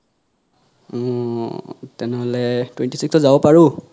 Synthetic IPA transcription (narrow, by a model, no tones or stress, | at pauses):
ɔ | tɛnɛɦɔlɛtwɛntisikstɔzabɔpaɹu